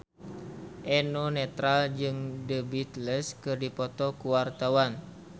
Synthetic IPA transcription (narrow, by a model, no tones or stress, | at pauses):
ʔɛnonɛt̪ɾald͡ʒɨŋdəbit̪lɛskɨrdipɔt̪ɔkuwart̪awan